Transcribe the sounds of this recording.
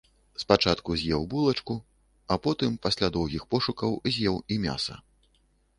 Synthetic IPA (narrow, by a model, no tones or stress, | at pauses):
spat͡ʂat̪kuzʲjɛwbulˠɐt͡ʂku | ɐpɔt̪ɨmpasʲlʲad̪ɔwɣʲixpɔʂukɐwzʲjɛwimʲa̰sɐ̰